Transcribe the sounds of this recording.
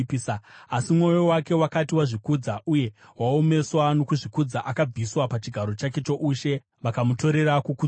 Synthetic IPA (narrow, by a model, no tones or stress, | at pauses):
saasimŋo̞jo̞wake̞wakatiwaʐikuːd͡zaʔuje̞ | wao̞me̞swano̞kuʐikud͡zaʔakab͡viswapat͡ʃiɡʱaɾo̞t͡ʃake̞t͡ʃo̞ʔuːʃe̞ | ʋakamuto̞ɾe̞ɾakuku